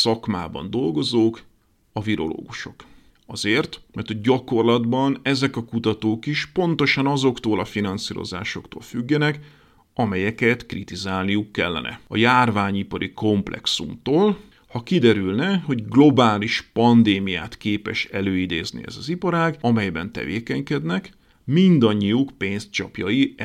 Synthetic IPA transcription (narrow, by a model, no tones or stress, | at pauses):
sɒkma̰ːbɒ̰nd̪o̞lɡo̞zoːk | ɒviɾo̞̰lo̰ːɡuʃo̞k | ɒzeːrt̪mɛrt̪hoɟɟɒko̞rlɒd̪bɒnɛzɛkɒkut̪ɒt̪oːkiʃpo̞nt̪o̞ʃɒnɒzo̞kt̪oːlɒfinɒnsiːɾo̞̰za̰ːʃo̞kt̪o̰ːlfyɡːɛnɛk | ɒmɛjɛkɛt̪krit̪izaːlnijukːɛlːɛ̰nʔɛ̰ɒ̰jaːrvaːɲipɒɾiko̞mplʔɛ̰ksṵmt̪oːl | hɒkid̪ɛɾylnɛɦo̞ɟɡlo̞baːliʃpɒnd̪eːmija̰ːt̪keːpɛʃɛløːid̪eːznḭɛ̰zɒzipɒɾaːɡɒmɛjbɛnt̪ɛ̰vḛːkɛɲkɛd̪nɛk | mind̪ɒɲːijukpeːnst͡ʃɒ̰pjɒji